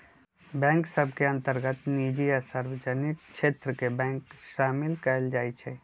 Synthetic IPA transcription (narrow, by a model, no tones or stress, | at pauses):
bɛ̃ːŋksəb̚ʱkeɐ̃nt̪əɾɡət̪niːd͡ʒiəsaɾʋəd͡ʒənɪkʃeːt̪ɾəkebɛ̃ːŋkʃaːmɪlkɛːld͡ʒaːit͡ʃʰɛː